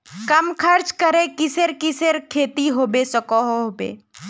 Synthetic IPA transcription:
kɐmkʰəɾt͡ʃkəɾẽkɪseɾkɪseɾkʰeːt̪iɦoːbesəkɔɦoɦobḛː

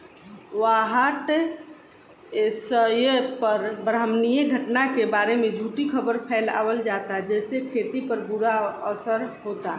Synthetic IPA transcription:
ʋaɦəʈ | esəjpəɾbɾəmnijəɡʱəʈnakebaːɾemẽd͡ʒʱuːʈikʰəbəɾpʰɛːla̰ːwəld͡ʒaːt̪aɦd͡ʒɛːsekʰeːt̪ipəɾbuɾaəsəɾɦoːt̪a

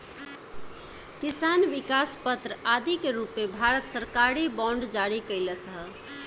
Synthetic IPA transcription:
kisanʋikaspət̪ɾəad̪ikeɾupmebʱaɾət̪səɾkaɾibɔ̃ɳɖd͡ʒaɾikəɪləsəɦə

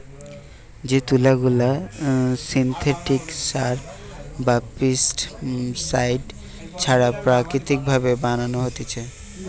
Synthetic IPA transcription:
d͡ʑet̪ulaɡula | sint̪ʰeʈiksaɾ | bapisʈsajɖ | t͡ɕʰaɽapɾakɾit̪ik̚bʱabebananoɦot̪et͡ɕʰe

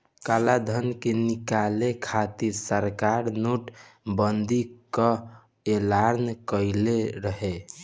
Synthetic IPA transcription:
kalad̪ʱənkenikalekʰat̪iɾsəɾkaɾnuʈbənd̪ikə | elaɾnkəɪleɾəɦe

